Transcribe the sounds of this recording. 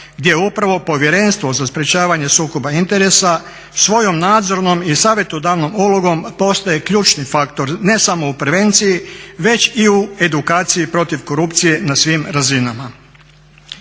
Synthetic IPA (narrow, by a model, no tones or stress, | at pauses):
ɡd̪je̞upɾaʋo̞po̞ʋje̞ɾe̞nst̪ʋo̞zaspɾʲe̞t͡ʃaːʋaɲe̞suːko̞baint̪e̞ɾe̞sa | sʋo̞jo̞mnaːd̪zo̞ɾno̞misaːʋje̞t̪ud̪aːʋno̞muloɡo̞mpo̞st̪aje̞kʎuːt͡ʃnifakt̪o̞ɾne̞samo̞upɾʋe̞ːnt̪sijiʋe̞t͡ʃiue̞d̪ukaːt̪sijipɾo̞t̪iʋko̞ɾupt̪sije̞nasʋimɾazinama